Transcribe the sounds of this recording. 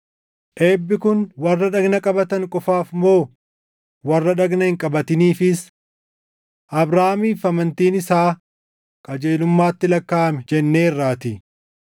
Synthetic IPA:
ʔeːbːɪkʊnwɐrːɐᶑɐɡnɐkʼɐbɐt̪ɐŋkʼɔfaːfmoː | wɐrːɐᶑɐɡnɐhɪŋkʼɐbɐt̪ɪniːfɪs | ʔɐbɾaːmiːfɐmɐnt̪iːnɪsaː | kʼɐd͡ʒeːlʊmːaːt̪ːɪlɐkːaːɐmɛd͡ʒɛnːe̞ːrːaːt̪ɪ

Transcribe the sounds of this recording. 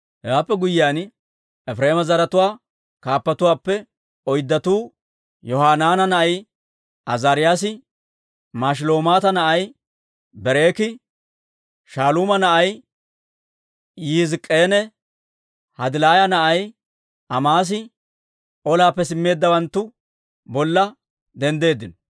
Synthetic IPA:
hɛwaːpːɛɡʊjɪaːn | ɛfɾe̞ːmɐzɐɾɐt̪ʊwaː | kaːpːɐt̪ʊwaːpːɛ | ɔjd̪ːɐt̪uː | jɔhaːnaːnɐnɐʔɐj | ʔɐzaːɾɪjaːs̬ɪ | maːʃ̬ɪlo̞ːmaːt̪ɐnɐʔɐj | bɛɾe̞ːkɪ | ʃaːluːmɐnɐʔɐj | jizɪkʼːeːnɛ | hɐd̪ɪlaːjɐnɐʔɐj | ɐmaːs̬ɪ | ʔɔlaːpːɛsɪmːe̞ːd̪ːɐwɐnt̪ːʊ | bɔlːɐ | d̪ɛnd̪e̞ːd̪ːɪnɔ

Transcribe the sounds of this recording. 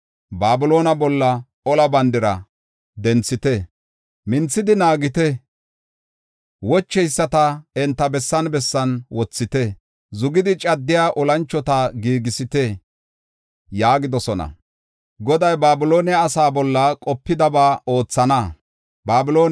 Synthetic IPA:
baːbɪlo̞ːnɐbɔlːɐ | ɔlɐbɐnd̪ɪɾɐ | d̪ɛnt͡sːɪt̪ɛ | mɪnt͡sːɪd̪ɪnaːɡɪt̪ɛ | wɔt͡ʃːɛjsːɐt̪ɐɛnt̪ːɐbɛsːɐnbɛsːɐnwɔt͡sːɪt̪ɛ | zʊɡɪd̪ɪt͡ʃʼɐd̪ːɪjaːʔɔlɐnt͡ʃːɔt̪ɐɡiːɡɪsɪt̪ɛ | jaːɡɪd̪ɔsɔnɐ̰ | ɡɔd̪ɐjbaːbɪlo̞ːnɪaːsaːbɔlːɐkʼɔpːɪd̪ɐbaːo̞ːt͡sːɐnɐ | baːbɪloː

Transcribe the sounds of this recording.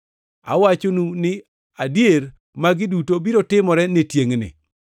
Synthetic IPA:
a̰wat͡ʃonunɪ | adjer | maɡɪdutobiɾotɪmɔɾɛnɪtjeŋnɪ̰

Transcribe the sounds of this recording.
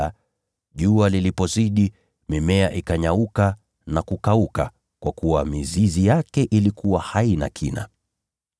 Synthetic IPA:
a | ʄualilipɔziɗi | mimɛaʔikaɲauka | nakukauka | kwakuwamizizijakɛʔilikuwahaina̰kʰina̰

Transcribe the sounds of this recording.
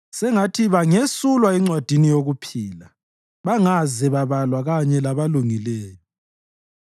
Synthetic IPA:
sɛŋatʰiβaŋesulwaiŋ͡ǀwad̥ʱinijoɣupʰiːla | βaŋazɛβaβalwaɣaɲɛlaβaluŋileːli

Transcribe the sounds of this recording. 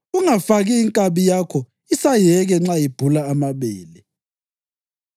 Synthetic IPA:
uŋafaɣiːŋkʼaβijakʰɔ | isajɛɣɛŋ͡ǁajib̥ʱulaːmaβeːlɛ

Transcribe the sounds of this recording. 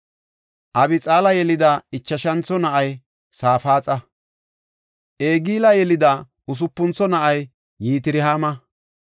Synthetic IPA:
ʔɐbɪt͡sʼaːlɐjɛlɪd̪ɐɪt͡ʃːɐʃɐnt͡sɔnɐʔɐj | saːfaːt͡sʼɐ | ʔeːɡiːlɐjɛlɪd̪ɐ | ʔʊs̬ʊpːʊnt͡sɔnɐʔɐjː | iːt̪ɪɾɪɦaːmɐ

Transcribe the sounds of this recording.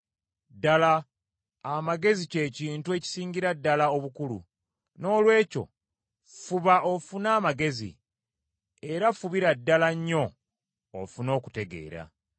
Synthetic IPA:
dalaː | maɡe̞zice̞ːciːntue̞ci̥siːɲɟiɾadːalao̞βukulṵ | no̞ːlwe̞ːco̞̰ | fuβaʔofunaːmaɡe̞zḭ | e̞ɾafuβiɾadːalaɲːo̞̰ː | funo̞ːku̥te̞ɡe̞̰ːɾa̰

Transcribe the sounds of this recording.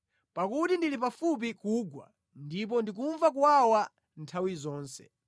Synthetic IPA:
pakutindilip̬afup̬ikuɡwa̰ | ndip̬ɔndik̬uɱvak̬uwawa | ntʰawizɔːnsɛ̥̰

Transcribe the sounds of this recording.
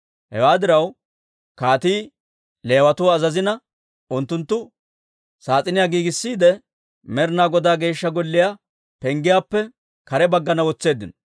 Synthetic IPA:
hɛ̰waːd̪ɪɾɐw | kaːt̪iː | le̞ːwɐt̪ʊɐzɐzɪnɐ | ʔʊnt̪ːʊnt̪ːʊ | saːt͡sʼɪnɪjaːɡiːɡɪsːiːd̪ɛ | mɛɾnaːɡɔd̪aːɡe̞ːʃːɐɡɔlːɪja | pɛŋɡɪjaːpːɛ | kɐɾɛbɐɡːɐnɐwɔt͡sːe̞ːd̪ːɪn

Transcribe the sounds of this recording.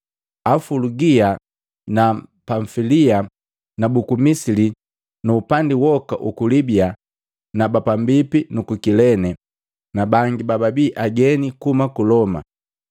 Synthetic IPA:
afuluɡia | napaɱfilia | nabukumisili | nuːpandiwɔkaʔukulibia | nabapambipinukukilɛnɛ | nabaŋɡibababiːʔaɡɛnikumakulɔma̰

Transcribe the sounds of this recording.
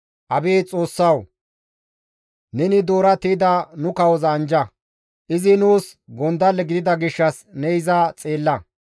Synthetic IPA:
ʔɐbeːt͡sʼo̞ːsːɐw | nɛnɪd̪oːɾɐt̪iːd̪ɐnʊkɐwɔzɐːnd͡ʒɐ | ʔɪzɪnuːsɡɔnd̪ɐlːɛɡɪd̪ɪd̪ɐɡɪʃːɐs | nɛjɪzɐt͡sʼe̞ːlːɐ

